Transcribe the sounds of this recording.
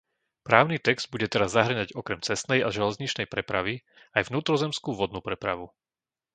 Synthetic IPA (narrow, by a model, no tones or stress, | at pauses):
pɾaːʊnit̪ɛɡz̥d̪̚buɟɛt̪ɛɾazːaɦr̩ɲaɟɔkɾɛmt͡sɛst̪nɛjaʒɛlɛzɲit͡ʃnɛjpɾɛpɾaʋi | ajvnuːt̪ɾɔzɛmskuːʋɔd̪nuːpɾɛpɾa̰ʋu